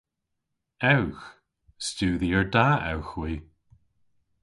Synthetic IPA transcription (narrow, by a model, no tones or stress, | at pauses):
ɛwx | stuːðiəɹdaːɛ̰wxwiː